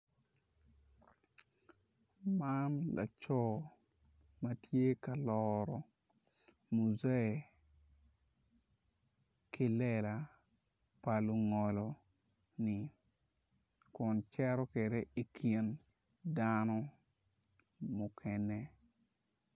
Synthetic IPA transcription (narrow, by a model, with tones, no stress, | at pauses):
manla̰˨t͡ʃɔ˦ | ma˦tje˦ka˨lɔɾɔ˨ | mu˨zɛ˦˨ | ki˦lɛ˨la˨ | pa˨lu˨ŋɔ˨lɔ˨ | nɪ˨ | kʊ˨nt͡ʃɛ˦ɾɔ˦kɛ˨de˦i˨kʰi˨n | danɔ˦ | mʊ˨kʰɛnɛ˦